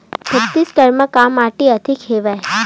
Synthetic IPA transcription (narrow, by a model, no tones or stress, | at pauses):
bʱəkt̪iskəɾməkamaʈiəd̪ʱikʰeʋaj